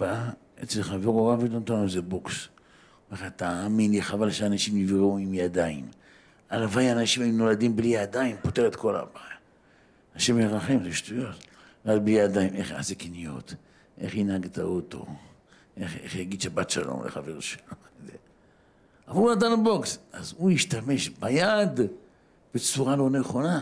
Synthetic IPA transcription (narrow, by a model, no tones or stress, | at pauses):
baa | et͡selχaveʁoʁavitont̪aomzeboks | eχat̪aːminliχavalʃeanaʃimivʁeuimjad̪aim | alavajanaʃimajuno̞lad̪imblijad̪aimpoteʁet̪ko̞la̰baja | naʃemjeʁaχemzeʃtujo̞t̪ | ʁak̚blijad̪aime̞χja̰ʕasekinijo̞̰t̪ | ʔe̞χhinhaɡt̪a̰ot̪o̞̰ | ʔeχḛχjaɡid̪ʃabatʃa̰lo̰mlḛχaveʁʃe̥lomeze | avalunat̪̬anabo̞ksʔazujiʃt̪ame̞ʃbajad̪ | b̥et͡suʁalo̞neχo̞na